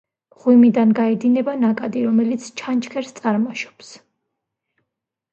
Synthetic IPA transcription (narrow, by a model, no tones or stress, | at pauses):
ʁwimid̪anɡaɛd̪inɛbanakʼad̪iɾɔmɛlit̪sʰt͡ʃʰant͡ʃʰkʰɛɾst̪sʼaɾmaʃɔ̥ps